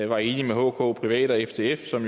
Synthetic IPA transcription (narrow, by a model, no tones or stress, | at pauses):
ʋɑ̈e̝ːnimeɦɔ̰ːkʰɔ̰̽ːpʰʁiʋɛ̰ːd̥ɒefd̥ʰe̝̰ːefsɒ̽m